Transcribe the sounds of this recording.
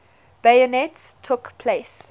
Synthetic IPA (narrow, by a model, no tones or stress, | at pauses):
b̥ajɔnɛtstʰːʊkpʰles